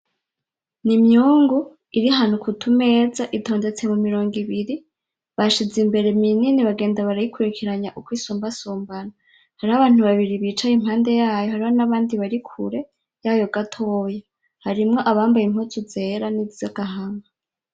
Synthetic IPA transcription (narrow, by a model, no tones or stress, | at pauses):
nimɲuːŋɡu | iɾiɦan̥ukʰutʰume̞ːzaʔito̞ːnde̞t͡se̞mumiɾo̞ːŋɡiβiɾi | βaʃizimbe̞ɾe̞mininiβaɡeːndaβaɾajikʰuɾikʰiɾaɲaʔukwiːsuːmbasuːmbana | haɾiaβaːn̥uβaβiɾiβiːt͡ʃajim̥haːnde̞jaːjo̞haɾiβonaβaːndiβaɾikʰṵɾe̞ | jajoɡatʰoːja | haɾimŋo̞ʔaβaːmbajimhotuze̞ːɾanizizaɡaɦama